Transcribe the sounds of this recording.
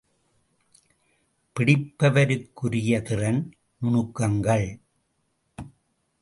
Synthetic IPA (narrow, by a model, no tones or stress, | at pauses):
pɪɽɪpːɐʋɐɾɯkːʊɾɪjɐt̪ɪrɐn | nʊɳɯkːɐŋɡɐɭ